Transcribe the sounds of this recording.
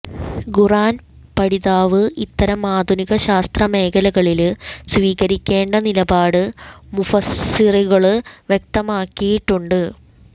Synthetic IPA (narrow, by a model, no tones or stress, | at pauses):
ɡuraːn | pɐɽiðaːʋɨʔit̪ːɐɾɐmaːd̪ʱuniɣɐɕaːst̪rɐme̞ːkʰɐlɐɣɐɭilsʋiːɣɐɾikʲːe̞ːɳɖɐnilɐbaːɽɨmufɐsiriɣɐɭɨʋjek̚t̪ɐmaːkːijiʈːuɳɖɨ